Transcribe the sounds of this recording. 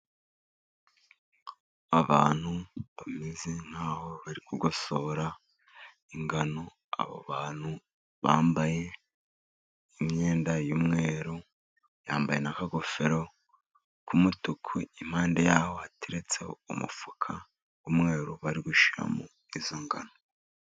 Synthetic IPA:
aβaːn̥huβamize̞n̥haːho̞βaɾikuɡo̞so̞ɾa | iŋɡano̞ | a̰βo̰βaːn̥hu | βa̰ːmbaje̞ | imɲe̞ːndajumŋe̞ːɾu | jaːmbaje̞nakaɡo̞fe̞ɾo̞ | kumutukʰuim̥haːnde̞jaːho̞hatiɾet͡se̞̰ṵmṵfukʰa | wumŋe̞ːɾuβaɾiɡuʃiɾa̰mu | izo̞ŋɡano

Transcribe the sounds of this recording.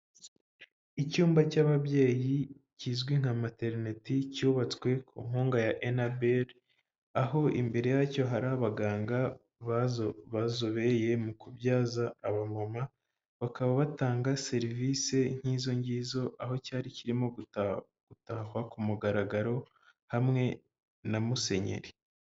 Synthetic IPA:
icuːmbacaβaβje̞ːjiciːzɡwiŋ̥hamate̞ɾine̞ticuβat͡skwe̞kʰṵŋ̥uːŋɡajaʔenabeɾ | aɦo̞ʔḭmbe̞ɾe̞jaco̞ɦaɾaβaɡaːŋɡa | βazβazoβe̞je̞mukubjaːzaːβaŋoma | βakaβaβataːŋɡase̞ɾiviːse̞ŋ̥hiːzo̞ɲɟiːzo̞ʔaɦo̞caːɾiciɾimoɡu | ɡ̥utahwakumuɡaɾaɡaɾo̞ | hamŋe̞ | namuse̞ɲe̞̰ɾi

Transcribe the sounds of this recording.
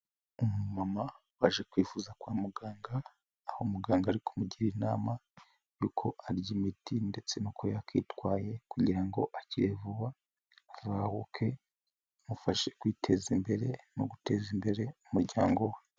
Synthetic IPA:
umumama | waʒe̞kwiːfuzakwaːmuɡaːŋɡaː | homuɡaːŋɡaɾikʰomuɟiɾina̰ːma | juːkʰo̞ʔaɾɟimitinde̞t͡se̞nukʰo̞jakʰḭtwaːje̞kuɟiɾaŋɡo̞ʔaciɾevuβa | vahukʰe̞ | mufaʃe̞̥kwiːtʰe̞zimbe̞ɾe̞no̰ɡute̞zimbe̞ɾe̞umuɾɟaːŋɡo̞we

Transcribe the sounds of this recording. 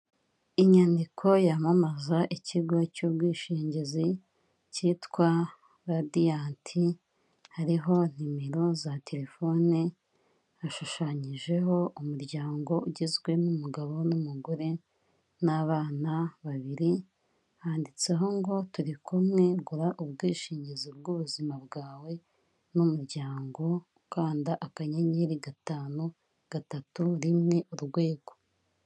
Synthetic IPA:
iɲandikʰo̞jamamazaʔiciɡocubwiːʃiːɲɟezi | citkwa | ɾadijaːntʰi | haɾiɦo̞n̥imiɾozate̞ɾe̞fo̞ni | aʃuʃaːɲiʒe̞ɦo̞ʔumuɾɟaːŋɡo̞uɟezɡwe̞numuɡaβo̞numuɡuɾe̞ | naβaːnaβaβiɾi | haːndit͡se̞ɦo̞ŋɡo̞tuɾikumŋe̞ɡuɾaʔubɡiːʃiːɲɟizobɡuβuzimabɡaːwe̞ | numuɾɟaːŋɡo̞ | kaːndaʔakaɲeɲeɾiɡataːnu | ɡ̥atatuɾimŋe̞ʔuɾɡwe̞ːɡ̥o̞

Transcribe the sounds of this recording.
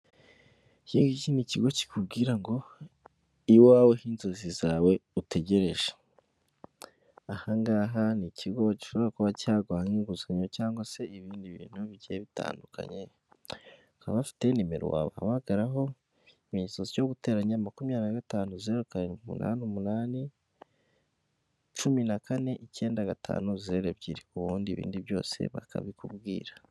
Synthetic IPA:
ciːŋɡiciniciɡo̞ci̥kubɡiːɾaŋɡo | iwaːwehiːnzozizaːwe̞ute̞ɟe̞ɾe̞ʒe̥ | ahaŋɡaːɦanicʰiɡo̞ci̥ʃo̞βiɾakuβacaːɡwaːhiŋɡuzaɲocaːŋɡwase̞iβiːndiβḭːn̥huβiɟeβita̰ːndukʰa̰ɲe | ukaβafi̥te̞nimeɾo̰wa̰βaa̰βaɡaɾaɦo̞ | imiɲisozijo̞ɡute̞ɾaɲamakumjaːɾinaɡataːnuzieɾokaɾeumṵna̰ːniumunaːni | t͡ʃuminakʰane̞ʔice̞ːndaɡatʰa̰ːnuzzeɾeβɟiɾikuβuːndiβḭːndiβjo̞̰ːse̞̰βa̰kʰa̰βikubɡḭːɾa

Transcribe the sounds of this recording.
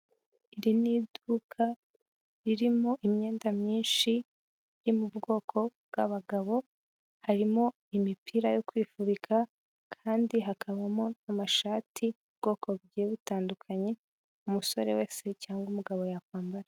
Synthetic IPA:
iɾinidukʰa | ɾiɾimo̞ʔimɲe̞ːndamɲiːnʃi | ɾimubɡo̞ːkʰo̞bɡaβaɡaβo̞ | haɾimo̞ | imipʰiɾajo̞kwiːfuβikʰa | kʰaːndiɦakʰaβamonamaʃaːtʰiub̚ɡo̞ːkʰo̞βɟeeβutaːndukʰaɲe̞ | umuso̞ɾe̞̰we̞ːse̞caːŋɡumuɡaβo̞jakwaːmbaɾa

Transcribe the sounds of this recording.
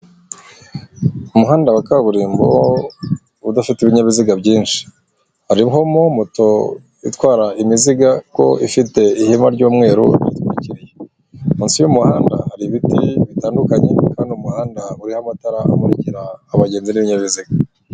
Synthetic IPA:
umuɦaːndawakaβuɾiːmbo̰ | udafitiβiɲaβiziɡabɟiːnʃi̥ | haɾiɦo̞momuto̞ | itwaːɾaʔimiziɡako̞̰ifite̞ihimaɾɟuːmŋe̞ːɾṵḭtkwuɾiciɾije | muːnsijumuhaːnda̰haɾiβitiβitaːndukaɲe̞̰kaːndiumuhaːndauɾihamataɾaʔa̰muɾiciɾaːβaɟe̞ːnziniβiɲaβiziɡa

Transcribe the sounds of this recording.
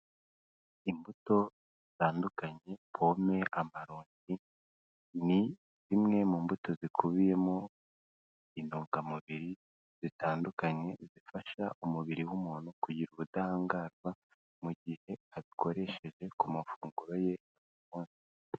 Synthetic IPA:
imbuto̞zitaːndukaɲe̞pʰo̞me̞ʔamaɾuːɲɟi | ni | zimŋe̞muːmbuto̞zikʰuβije̞mo | inuːŋɡamuβiɾi | z̥itaːndukaɲe̞zifaʃa̰ʔumuβiɾiwumuːn̥hukuɟiɾuβudaaːŋɡaːzɡwa | muɟihe̞aziko̞ɾe̞ʃe̞ʒe̞kumafuːŋɡuɾo̞je̞noβuumuːnsi̥

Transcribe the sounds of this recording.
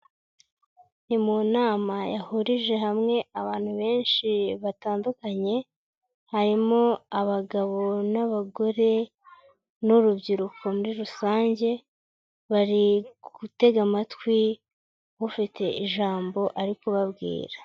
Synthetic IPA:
nimunaːmajahuɾiʒe̞ɦamŋe̞aβaːn̥huβe̞ːnʃiβataːndukaɲe̞ | haɾimo̞aβaɡaβo̞naβaɡo̞ɾe̞ | nuɾubɟiɾuko̞muɾiɾusaːɲɟe̞ | βaɾiɡɡ̥ute̞ɡamatkwi | βufite̞ʔiʒaːmbo̞ʔaɾikoβabɡḭːɾa

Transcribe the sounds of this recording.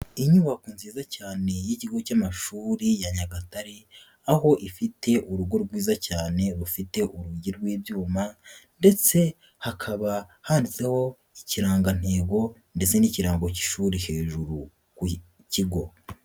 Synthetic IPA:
iɲuβakunziːzacaːne̞jiciɡo̞camaʃuːɾijaɲaɡataɾi | aho̞ʔifitʰe̞ʔuɾuɡo̞ɾɡwiːzacaːne̞ɾufite̞ʔuɾuɟiɾɡwiːbjuːmande̞t͡se̞ | hakʰaβahaːndit͡se̞ho̞ | iciɾaːŋɡan̥he̞ːɡo̞ | nde̞t͡se̞niciɾaːŋɡo̞ci̥ʃuːɾihe̞ːʒuɾu | ku | ciɡo̞

